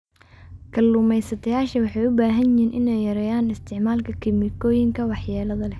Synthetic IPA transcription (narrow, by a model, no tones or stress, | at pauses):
kʰɐlːuːmɛjsɐt̪ʰɐjaːʃɐwɑħɑjʊbaːɦɐnjɪhiːnʔɪnɛjjɐɾɛjaːnɪst̪ʰɪʕmaːlkʰɐkʰɪmɪkʰɔːjɪŋkʰɐwɑħjaːlɐðɐlɛ